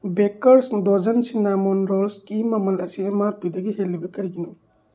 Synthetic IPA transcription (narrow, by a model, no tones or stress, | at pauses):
bekɐɾsdod͡ʒɐnsinamɔnɾolskimɐmɐlɐsiemaɾpidɐɡihelːibɐkɐɾiɡinu